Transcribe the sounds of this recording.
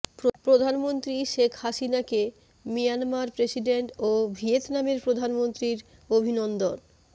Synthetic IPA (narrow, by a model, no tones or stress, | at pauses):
pɾod̪ʱanmont̪ɾiʃekʰhaʃinake | mijanmaɾpɾesiɖeɳʈobʱiet̪nameɾpɾod̪ʱanmont̪ɾiɾ | obʱinond̪on